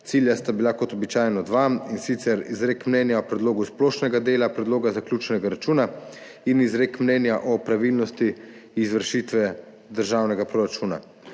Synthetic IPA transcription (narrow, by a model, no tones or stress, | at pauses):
t̪siːljast̪abilakɔt̪ɔbit͡ʃaːjnɔd̪ʋaminsit̪sɛɾizɾekmnɛnjaɔpɾɛd̪loːɡusploːʃnɛɡad̪eːlapɾɛd̪loːɡazaklʲjuːt͡ʃɛnɛɡaɾat͡ʃuːna | inizɾekmnɛnjaʔɔpɾaʋilnɔst̪iː | zʋəɾʃit̪ʋɛ | d̪əɾʒawnɛɡapɾoɾat͡ʃuːna̰